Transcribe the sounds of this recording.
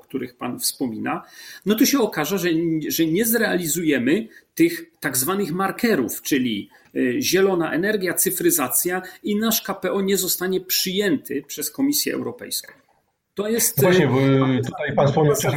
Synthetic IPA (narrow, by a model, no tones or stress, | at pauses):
k̚t̪uɾɘxpa̰nfspɔmʲinanɔt̪ɔɕɛɔkaʐaʐɛʐɛɲɛzɾɛalʲizujɛmɘt̪ɘxt̪aɡzvanɘxmaɾkʰɛɾuft͡ʂɘlʲi | ʑɛlɔnaʔɛnɛɾɡʲjat̪sɘfɾɘzat̪sʲjainaʂkapɛɔɲɛzɔst̪aɲɛpʂɘjɛnt̪ʰɘpʂɛskɔmʲisʲjɛ̰ʔɛ̰wɾɔpɛ̰jskɔ̰̃w̃ | t̪ɔjɛst̪waɲɛt̪ut̪ajpanspɔmɲawɛ